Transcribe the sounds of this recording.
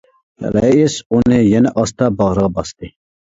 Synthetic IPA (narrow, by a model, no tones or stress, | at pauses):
ɛ̰lɛjisunɨjɛnɛʔɑst̪ɑbɑʁɾəʁɑbɑst̪ɨ